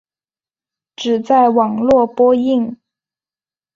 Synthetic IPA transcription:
ʈ͡ʂɻ̩˨˩t͡sa˥˩ɪwɑ˨˩ŋlwɔ˥˩pwɔ˥i˥˩ŋ

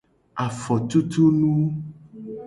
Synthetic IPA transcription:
a˨fɔ˨t̪u˦t̪u˦nũ˦

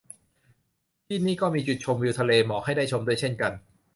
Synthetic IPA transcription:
t̪ʰiː˥˩niː˥˩kɔː˥˩miː˧t͡ɕu˨˩t͡ɕʰo˧mwi˧wt̪ʰa˧leː˧mɔː˩k̚ha˥˩jdaː˥˩jt͡ɕʰo˧mdu˥˩ət͡ɕʰe˥˩nka˧n

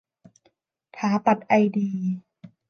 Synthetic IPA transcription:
t̪ʰaː˩˦pa˨˩t̪̚ʔa˧jdiː˧

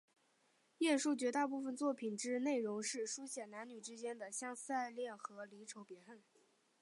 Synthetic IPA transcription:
jɛ˥˧nʂu˥˩t͡ɕɥɛ˧˥t̪a˥˧pu˥˩fə˨˩nt͡swɔ˥˩pʰi˨˩nʈ͡ʂɻ̩˥ne˥˩ɪɻʊ˧˥ŋʂɻ̩˥˩ʂu˥ɕjɛ˨˩nna˧˥nny˨˩ʈ͡ʂɻ̩˥t͡ɕjɛ˥nd̪ə˨ɕjɑ˥ŋsa˥˧ɪljɛ˥˩nxɤ˧˥li˧˥ʈ͡ʂʰo˧˥ʊpjɛ˧˥ə˥˩n

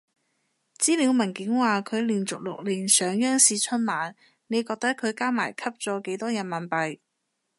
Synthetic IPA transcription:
t͡siː˥liː˨˧wmɐ˨˩nkɪ˨˥ŋwaː˨kʰɵ˨˧ɥliː˨˩nt͡sʊ˨k̚lʊ˨k̚liː˨˩nsœː˨˧ŋjœː˥ŋsiː˧t͡ʃʰɵ˥nmaː˨˥n | ne˨˧jkɔː˧k̚t̪ɐ˥kʰɵ˨˧ɥkaː˥maː˨˩jkʰɐ˥p̚t͡sɔː˨˧ke˨˥jt̪ɔː˥jɐ˨˧˥mɐ˨˩npɐ˨j

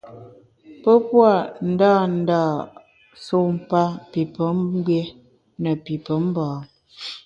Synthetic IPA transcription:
pə˦pwa˦˨n̩˨daː˦˨n̩˨daː˦˨ | so˦˨m̩˨pa˦pi˨pə˨˦m˦bwje˦ | nə˨pi˨pə˨˦m̩˦bɔ̃ː˨

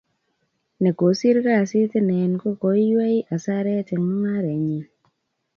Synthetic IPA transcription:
nɛ˨ko˨˦si˦ɾka˦˨si˦ti˦nɛ˨nko˦ko˨˦jwe˦jʔa˨sa˦ɾɛ˦ti˨ŋ˦ŋa˦ɾɛ˨ɲi˨

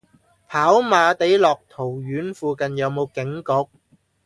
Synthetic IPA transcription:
pʰaː˨˥wmaː˨˧t̪e˨˥jlɔː˨k̚t̪ʰo˨˩wjyː˨˥nfuː˧kɐ˨njɐ˨˧wmo˨˧wkɪ˨˥ŋkʊ˨˧˥k̚

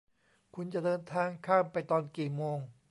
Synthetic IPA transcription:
kʰu˧nt͡ɕa˨˩ʔdɤː˧nt̪ʰaː˧ŋkʰaː˥˩mpa˧jt̪ɔː˧nkiː˨˩moː˧ŋ

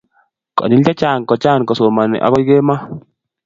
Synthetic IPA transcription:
kɔ̰˨ni˦lt͡ʃa˦t͡ʃa˦˨nkɔ˨t͡ʃa˦˨nkɔ˨so˨ma˨nɪ̰˨ʔa̰˨kɔ˦jɡe˦ma˦

